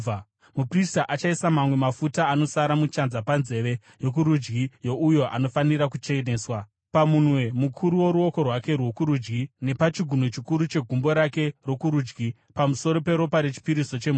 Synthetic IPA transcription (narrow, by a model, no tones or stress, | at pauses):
mupristaʔat͡ʃaisamamwe̞mafutaːno̞saɾamut͡ʃanzapanze̞ʋe̞ | jo̞k̬uɾud͡ʒɡijo̞ʔujo̞ʔa̰no̞faniɾakut͡ʃeneːswa | pamunwe̞mukʰuɾuwo̞ɾuo̞ko̞rwake̞rwo̞kuɾud͡ʒɡine̞pat͡ʃiɡʱunot͡ʃikuɾut͡ʃe̞ɡʱumbo̞ɾake̞ro̞kuɾuːd͡ʒɡi | pamuso̞ɾo̞pe̞ɾo̞paɾe̞t͡ʃi̥piɾiso̞t͡ʃe̞mu